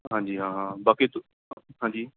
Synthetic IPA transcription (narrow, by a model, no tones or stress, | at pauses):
ɦãːɲd͡ʑiːɦãːɦãːbaːkit̪ | ɦãːɲd͡ʑiː